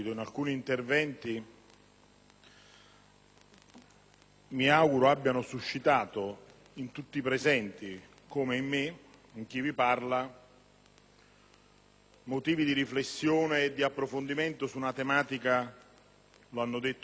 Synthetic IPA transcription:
it̪oinalkuːniːnt̪ervɛnt̪i | miawɡuɾoabːjanʊsuʃːit̪aːt̪o | int̪ut̪ːipɾɛzɛnt̪i | komeimːɪiŋk̟iviparla | mot̪iːvid̪iɾiflesːjoːneːd̪ːiapːɾofond̪iment̪ʊsunat̪emaːt̪ika | loanːʊd̪et̪ː

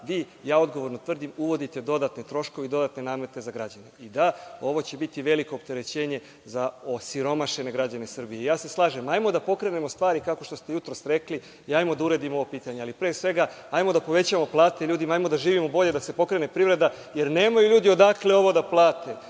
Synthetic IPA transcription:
ʋiː | jaːo̞d̪ɡo̞ʋo̞ɾnot̪ʋr̩d̪imuʋo̞d̪it̪e̞d̪o̞d̪at̪net̪ɾo̞ʃko̞ʋeid̪o̞d̪at̪ne̞naːmet̪e̞zaɡɾad͡ʑane̞id̪ao̞ʋo̞t͡ɕe̞bit̪iʋe̞likoːp̚t̪e̞ɾe̞t͡ɕe̞ːɲe̞ | zaosiɾo̞maʃe̞neɡɾad͡ʑanesr̩bijeijaːse̞slˠaːʒe̞majmo̞d̪apo̞kɾe̞ne̞most̪ʋaːɾikako̞ʃt̪ost̪e̞jut̪ɾosɾe̞kli | iajmo̞d̪auɾed̪imoo̞ʋo̞piːt̪aɲealipɾeːsʋe̞ɡa | ajmo̞d̪apo̞ʋe̞t͡ɕaamo̞plˠaːt̪e̞ʎuːd̪imaajmo̞d̪aʒiːʋimobo̞ʎe̞d̪ase̞po̞kɾe̞ne̞pɾiʋɾe̞d̪a | jeɾne̞ːmajuʎuːd̪io̞d̪akleo̞ʋo̞d̪aplˠaːt̪ʰe̞

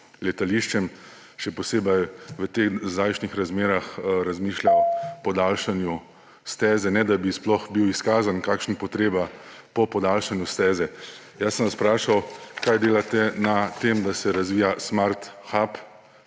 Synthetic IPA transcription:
lɛt̪aliʃt͡ʃɛm | ʃɛpɔseːbɛjʋət̪eːxzaːjʃnixɾazmeːɾaxɾazmiːʃlʲapɔd̪aːlʃanju | st̪ɛːzɛnɛd̪abisplɔxbiwiskaːzankaːkʃnipɔt̪ɾeːbapɔpɔd̪aːlʃanjust̪ɛːzɛ | jasːənʋaspɾaːʃawkajd̪eːlat̪ɛnat̪emd̪asɛɾazʋiːjasmaɾt̪xap

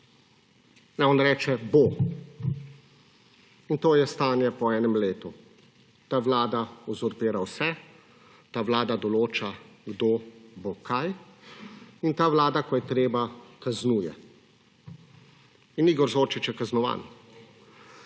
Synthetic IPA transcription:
nɛɔnɾɛːt͡ʃɛbo | int̪oːjɛst̪aːnjɛpɔɛːnɛmleːt̪u | t̪aːʋlaːd̪aɔzɔɾpeːɾawsɛ | t̪aːʋlaːd̪ad̪ɔloːt͡ʃaɡd̪obokʰaj | int̪aːʋlaːd̪akɔjɛt̪ɾeːbakaznuːjɛ | iniːɡɔɾzoːɾt͡ʃit͡ʃjɛkaznɔʋa̰ːn

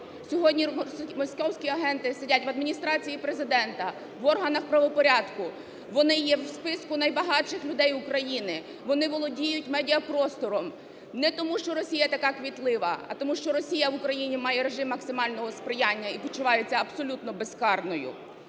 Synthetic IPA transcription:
sʲɔɦɔdʲnʲimɔsʲkɔwsʲkʲiɐɦɛnt̪ɪsedʲatʲʋɐd̪mʲinʲist̪ɾɑt͡sʲijipɾezɪd̪ɛnt̪ɐ | ʋɔrɦɐnɐxpɾɐʋɔpɔɾʲɑd̪kʊ | ʋɔnɪjɛwspɪskʊnɐjbɐɦɑt͡ʃɪxlʲʊd̪ɛjʊkɾɐjinɪ | ʋɔnɪʋɔlˠɔdʲijʊtʲmɛdʲiɐpɾɔst̪ɔɾɔm | nɛt̪ɔmuʃt͡ʃɔɾɔsʲijɐt̪ɐkɑkʋʲit̪lˠɪʋɐ̰ɐ̰t̪ɔmuʃt͡ʃɔɾɔsʲijɐʋʊkɾɐjinʲimɑjɛɾeʒɪmːɐksɪmɑlʲnɔɦɔspɾɪjanʲːɐipɔt͡ʃʊʋɑjet͡sʲːɐːbsɔlʲut̪nɔbeskɑrnɔjʊ̰

